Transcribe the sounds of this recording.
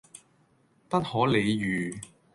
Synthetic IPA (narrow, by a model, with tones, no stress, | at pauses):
pɐ˥t̚hɔː˨˥le˨˧jjyː˨